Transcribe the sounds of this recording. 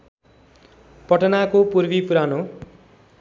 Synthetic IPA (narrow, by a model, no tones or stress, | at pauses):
pʌʈʌnakopurbipuɾano